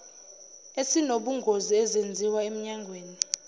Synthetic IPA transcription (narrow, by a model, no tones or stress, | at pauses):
esinoɓuŋɡʱoziɛzend͡zʱiwaem̩ɲaŋɡʱweːni